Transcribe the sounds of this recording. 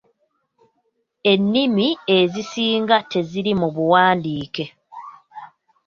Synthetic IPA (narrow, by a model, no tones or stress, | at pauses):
e̞nːimie̞zisiːŋɡate̞ziɾimuβuwaːndiːke̞